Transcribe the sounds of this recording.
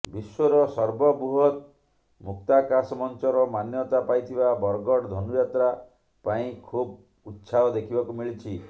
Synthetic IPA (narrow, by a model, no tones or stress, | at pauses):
biswɔɾɔsɔɾbɔbuɦɔt̪ | muk̚t̪akasɔmɔnt͡ʃɔɾɔmanjɔt̪apajt̪ʰibabɔɾɡɔɽd̪ʱɔnujat̪ɾa | paĩkʰub | ut̪ːsʰaɔd̪ekʰibɔkumiɭit͡ʃʰi